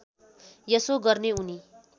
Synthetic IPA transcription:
jʌsoɡʌrneuni

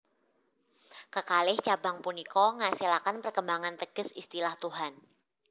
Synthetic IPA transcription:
kəkalɪht͡ʃabaŋpunikɔŋasilakanpərkəmbaŋant̪əɡ̥əsist̪ilaht̪uɦan

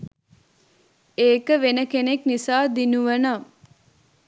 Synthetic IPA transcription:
eːkəʋenəkeneknisaːd̪inuʋəna

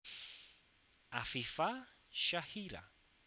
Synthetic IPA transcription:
afifa | ʃahiɾa̰

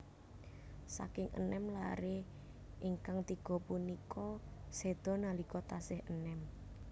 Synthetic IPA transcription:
sa̰kɪŋʔə̰nɛmla̰ɾe | ʔiŋkaŋt̪iɡ̥ɔ̤punikʰɔsed̪̥ɔ̤nalikɔt̪asɪhənɛm

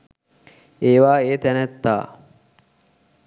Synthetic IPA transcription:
eːʋaːeːt̪ænæt̪ːa̰ː

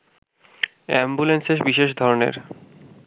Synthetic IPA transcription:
ɛmbulenseʃbiʃeʃd̪ʱɔɾonḛɾ

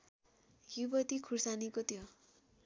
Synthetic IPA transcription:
jubʌt̪ikʰursanikot̪ʰjo

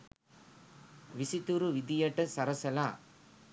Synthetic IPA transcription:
ʋisit̪uɾuʋid̪ijɐʈɐsɐɾɐsɐlaː

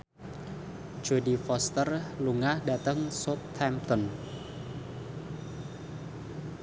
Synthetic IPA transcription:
d͡ʒ̥odifɔst̪ərluŋahdat̪əŋsot̪ʰːɛmt̪ɔn

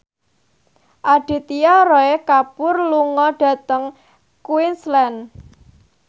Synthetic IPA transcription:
ʔaɖ̥i̤t̪ijɔrɔekapʊrluŋɔɖ̥ä̤t̪əŋ | kwinslɛn

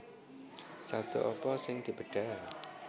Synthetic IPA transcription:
sad̪̥oʔɔpɔsɪŋd̪̥i̤b̥əɖ̥a̤

